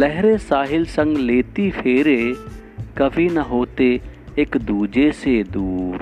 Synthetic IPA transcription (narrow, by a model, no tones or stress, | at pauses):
lɛɦɾesaːɦɪlsə̃ŋɡleːt̪ipʰeːɾe | kəbʱinəɦoːt̪eɪkd̪uːd͡ʒesed̪uːɾ